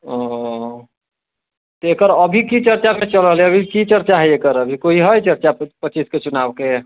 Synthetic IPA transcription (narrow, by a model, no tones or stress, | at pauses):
ɔ | t̪ɔekəɾəbʱikit͡ʃəɾt͡ʃamet͡ʃələɦlɛəbʱikit͡ʃəɾt͡ʃaɦɛekəɾəbʱikoiɦəjt͡ʃəɾt͡ʃapət͡ʃisket͡ʃunabke